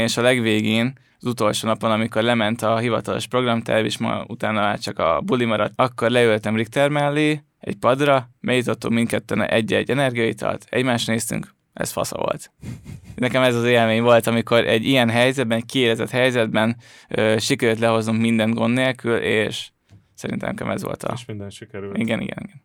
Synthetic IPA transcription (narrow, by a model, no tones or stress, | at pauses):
eːʃɒlɛɡʋeːɡeːn | zut̪o̞lʃoːnɒpo̞nɒmiko̞rlɛmɛnt̪ɒɦivɒ̰t̪ɒlo̞̰ʃpro̞ɡrɒmt̪ɛ̰vḭʃmɒ̰ut̪aːnːɒmaːt͡ʃɒkɒ̰bulimɒɾɒt̪ɒkːo̞rlɛølt̪ɛmrik̚t̪ɛrmɛlːi | ɛ̰ɟpɒd̪rɒmɛjut̪ot̪ːummint̪̚kɛt̪ːɛn̰ʔɛɟːɛ̰ɟːɛnɛrɡijɒjḭt̪ɒ̰lt̪ɛ̰ɟmaːʃneːst̪y̰ŋk | ɛ̰sfɒ̰sɒ̰vo̰lt̪ | nɛkɛmɛzɒzeːlmeːɲvo̞lt̪ɒmiko̞ɾʔɛɟːijɛnɦɛjzɛd̪bɛnɛckieːlɛzɛt̪hɛjzɛd̪bɛn | øːʃikɛɾylt̪lɛɦo̞znuŋkmind̪ɛŋɡo̞nːeːlkʰyleːʃ | sɛɾḭnt̪ɛ̰mkɛ̰mɛzʋo̞̰lt̪ʰɒ̰ʃind̪ɛnʃikɛɾiɡɛnḭɡɛ̰nḭɡɛn